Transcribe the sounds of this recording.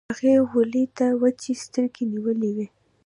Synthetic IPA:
aɣeɣʊlet̪awət͡ʃest̪əɾkeniwəlewi

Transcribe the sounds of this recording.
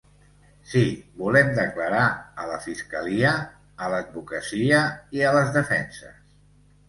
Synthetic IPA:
sibulɛmd̪əkləɾaələfiskəliəː | ləd̪̚βukəsiəiələzðəfɛnsə̰s

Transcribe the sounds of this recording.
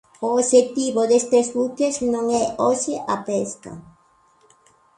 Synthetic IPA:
ooʃet̪iβoðest̪ezβukeznõŋɛʔoʃeʔapeska̰

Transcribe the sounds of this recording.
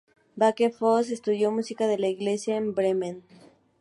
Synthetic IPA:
bakefos̬e̞st̪uðjo̞musikaðe̞laiɣle̞sjaembɾemẽn

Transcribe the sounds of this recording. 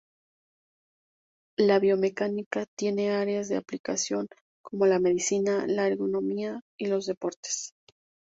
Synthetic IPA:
laβjo̞me̞kanikat̪je̞ne̞aɾe̞azðe̞aplikasjo̞ŋ | komo̞lame̞ðisinalaːɾɣono̞miailo̞zðe̞po̞ɾt̪e̥s

